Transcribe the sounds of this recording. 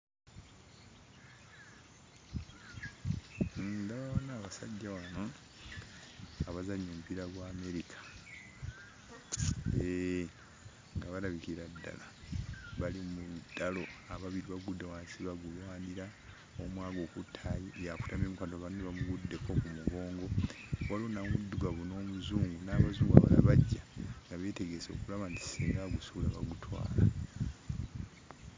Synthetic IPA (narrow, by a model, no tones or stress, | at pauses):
ndaβaβanaːβasa̰ɟːawano | aβazaɲːoːmupiɾaɡwaːme̞ɾikʰḁ | e | ŋɡaβalaβikiɾadːa̰laβalimudalo̞aβaβiɾiβaɡudːewaːnsiβaɡulwaːniɾa | omwaːɡo̞ːkutʰːajijaku̥tameːmukantoβanneβamuɡudːe̞ko̞kumuɡo̞ːŋɡo̞walonamudːuɡaβuno̞ːmuzuːŋɡunaːβazuːŋɡa̰βa̰la̰βaɟːaŋɡaβeːte̞ɡe̞so̞̰kulaβanti̥seːŋɡaɡusulaβa̰ɡutʰwa̰ːla